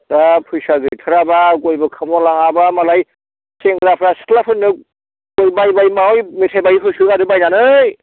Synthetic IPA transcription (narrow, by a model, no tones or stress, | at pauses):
dapʰujsaɡɯtʰɯɾabaɡojbɯkʰɯmɔlaŋabamalaj | seŋɡɾapʰɾasklapʰɯnːɯ | ɡojbajbajmaɔjmitʰajbajipʰɯsɯɡadɯbajnanɯj